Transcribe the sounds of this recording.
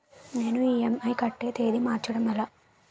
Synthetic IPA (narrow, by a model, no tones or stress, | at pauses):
ne̞ːnuiːemɐjkɐʈːe̞ːt̪e̞ːd̪imaːɾt͡ʃɐɽɐmɛlaː